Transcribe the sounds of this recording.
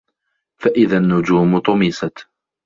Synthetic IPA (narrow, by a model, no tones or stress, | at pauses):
faʔɪðanːʊd͡ʒuːmt̪ˤʊmɪsat̪